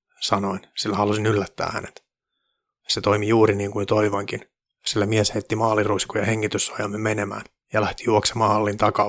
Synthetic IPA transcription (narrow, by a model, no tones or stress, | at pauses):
sɑnoinsilːæhɑlusinylːæt̪ːæ̰ːhæ̰net̪ | set̪oimijuːɾiniːŋkunt̪oiʋɑŋkin | silːæmiɛsheit̪ːimɑːliruiskujɑheŋːit̪ysːɑjɑmːemenemæ̰ːn | jɑlæht̪i̥juoksemɑːhɑlːint̪ɑkɑ